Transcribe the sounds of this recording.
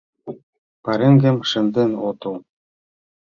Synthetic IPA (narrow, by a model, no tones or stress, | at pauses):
pɑɾĕŋɡĕmʃɘ̆nd̪enot̪ɤ̆l